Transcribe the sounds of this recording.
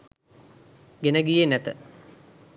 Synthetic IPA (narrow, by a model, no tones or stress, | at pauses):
ɡenɐɡijenæt̪ə